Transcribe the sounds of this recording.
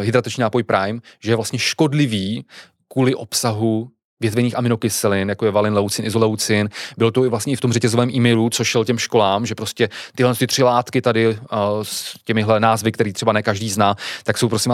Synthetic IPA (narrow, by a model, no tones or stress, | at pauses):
ɦɪd̪ɾat̪ɛt͡ʃɲiːnaːpojpɾʔajmʒɛjɛvlast̪ɲɛʃko̞dlɪviː | kuːlɪʔo̞psaɦu | vjɛt̪vɛniːxamɪnokɪsɛlɪnjakojɛvalɪnlɛwt͡sɪnʔɪzolɛwt͡sɪnbɪlot̪oɪvlast̪ɲɛɪft̪o̞mrɛcɛzovɛːmʔiːmɛjlut͡soʃɛlcɛmʃko̞laːmʒɛpɾoscɛt̪ɪɦlɛnst̪ɪt̪r̝̥ɪlaːt̪kɪt̪adɪscɛmɪɦlɛnaːzvɪkt̪ɛɾiːt̪r̝̥ɛbanɛkaʒdiːznaːt̪aksowpɾosɪm